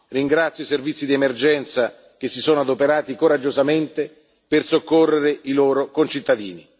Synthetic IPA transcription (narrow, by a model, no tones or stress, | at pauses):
riŋɡɾat̪sjoiservit̪sːid̪iemerd͡ʒɛnt̪sa | k̟esːisɔːnoad̪opeɾaːt̪ikoɾad͡ʒːozament̪e | persokːorːeɾeiloːɾokont͡ʃit̪ːad̪ḭːni